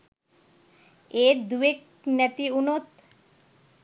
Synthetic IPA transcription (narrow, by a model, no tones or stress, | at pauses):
eɾd̪uek̚ | nɛt̪iunot̪